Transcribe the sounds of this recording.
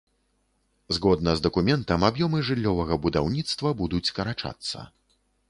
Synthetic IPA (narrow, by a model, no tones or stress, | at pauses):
zɣɔd̪̚nɐzd̪ɐkumʲɛnt̪ɐmabjɔmɨʐɨlʲːɔvɐɣɐbud̪awnʲit̪st̪vɐbud̪ut͡sʲkɐɾat͡ʂa̰t̪sːɐ̰